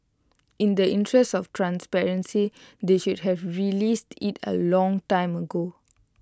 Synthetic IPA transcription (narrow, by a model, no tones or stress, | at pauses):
ĩndəʔĩntʰɹɛstɔftɹãnspɛɹə̃nsideʃud̚ɦɛvɹilistʰitʰə̰lɔ̃ŋtãɪ̃məɡo